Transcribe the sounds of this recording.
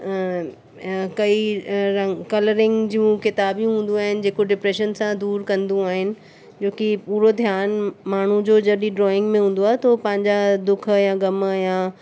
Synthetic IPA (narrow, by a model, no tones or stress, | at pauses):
kɐiɾɐŋkɐləɾɪ̃ŋɡd͡ʑijũkɪt̪aːbijũɦũːn̆d̪ũaːɦɪnɪ̆d͡ʑeːkoɖɪpɾeːʃənsãd̪uːɾkɐ̃nd̪ũaːɦɪnɪ̆ | d͡ʑoːkipuːɾod̪ʱjaːnmaːɳ̤ũd͡ʑoːd͡ʑɐɗĩɖɾɔːɪ̃ŋɡmẽɦũːn̆d̪oaːɦet̪ʰopɐ̃ɦɪ̃ɲd͡ʑad̪ʊk̆ʰjãɡɐməjãː